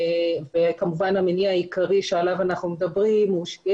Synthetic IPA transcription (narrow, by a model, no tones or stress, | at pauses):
vekamuvanameniajikaʁiʃealavanaχnumedabʁimuʃɡ